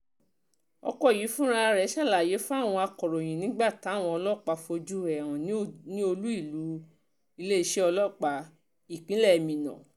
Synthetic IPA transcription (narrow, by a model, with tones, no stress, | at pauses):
ɔ̰˧kɔ˦˨ji˨˦fũ˦ɾ̃ã˦˧ɾɛ˨˦ʃa˦˨la˨je˨˦fũ˦a˦˨w̃ɔ̃˧a˧kɔ˨ɾɔ˨j̃ĩ˨nĩ˨˦ɡ͡ba˦˨ta˨˦˨w̃ɔ̃˧ɔ˧lɔ˦˨k͡pa˧fo˧d͡ʒu˦ɛ˨ɾ̃ɔ̃˨nĩ˦nĩ˦o˧lu˦i˦˨lu˨˦ | i˧le˦i˧˦ʃe˦ɔ˧lɔ˦˨k͡pa˨˧ | i˦˨k͡pĩ˨˦lɛ˦˨mĩ˨nã̰˨